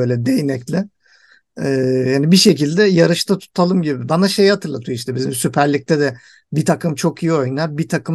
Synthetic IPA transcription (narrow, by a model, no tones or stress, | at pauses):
øjlʲɛd̪ejnɛclʲɪ | hanibiʃe̞cilʲd̪ɛjaɾɯʃt̪ʰat̪ʰu̥t̪ʰalˠɯmɟibibanaʃe̞jhat̪ʰɯɾlˠat̪ʰujoiʃt̪ɛbizimsypʰæɾlʲic̚t̪ʰɛd̪ɛ | bit̪ʰakɯmt͡ʃʰo̞kʰijio̞jnabit̪ʰakʰɯm